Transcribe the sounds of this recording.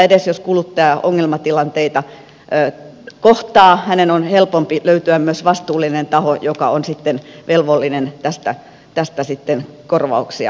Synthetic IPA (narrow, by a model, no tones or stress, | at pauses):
edesjoskulut̪ːɑɑˑʔoŋːelmɑt̪ilɑnt̪eit̪ɑː | koht̪ɑːhænenonhelpompiløyt̪yæmmyøsʋɑst̪uːlːˑinent̪ɑhojokɑ̰onsit̪ːenʋelʋolːinent̪æst̪æ | t̪æst̪æsit̪ːenkorʋɑ̰uksiɑ̰